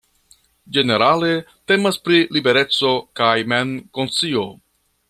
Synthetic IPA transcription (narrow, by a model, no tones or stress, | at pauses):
d͡ʒe̞ne̞ɾale̞ | te̞maspɾilibe̞ɾe̞t͡so̞kajmenkont͡sio̞